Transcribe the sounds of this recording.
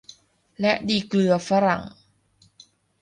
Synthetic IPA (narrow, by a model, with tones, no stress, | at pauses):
lɛ˦˥diː˧˩klɯ˧ɐfa˦˥ɾa̰˨˩˦ŋ